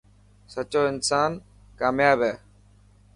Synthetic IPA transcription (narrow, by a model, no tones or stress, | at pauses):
sət͡ʃoːɪnsaːn | kaːmjaːbɦɛː